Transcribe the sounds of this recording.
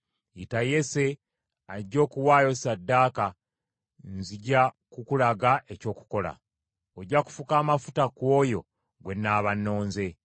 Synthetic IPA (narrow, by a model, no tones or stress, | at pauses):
itaje̞se̞ | aɟːo̞ːkuwaːjo̞sadːaːka | nziɟa | kukulaɡaʔe̞co̞ːku̥ko̞la̰ | oɟːaku̥fukaːmafutakwoːjo̞ | ɡwe̞nːaːβanːo̞ːnze̞